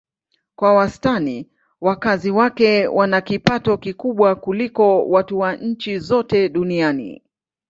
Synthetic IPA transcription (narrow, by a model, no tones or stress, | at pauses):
kwawastani | wakaziwakɛwʔanakipatɔkikuɓwakulikɔwatuwaɲ̩t͡ʃizɔtɛɗunianḭ